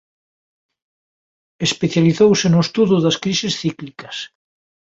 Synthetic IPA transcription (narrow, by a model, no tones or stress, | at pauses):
espeθjaliθowsenoest̪uðʊðɐskɾisesθiklikɐs